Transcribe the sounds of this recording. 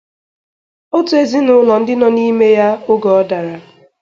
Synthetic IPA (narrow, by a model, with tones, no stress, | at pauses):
o˦tu˨e˦˨zi˦nʊ˨ʊ˦lɔ˨n̩˦dɪ˦nɔ˦ni˦me˦ja˦ʊ˦ɡɔ˨˦ɔ˦da˨ɾa˨